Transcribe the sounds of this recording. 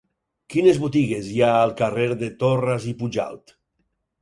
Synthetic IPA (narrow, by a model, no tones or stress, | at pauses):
kinezβut̪iɣeziaːlˠkareɾðet̪orazipuʒa̰lˠt̪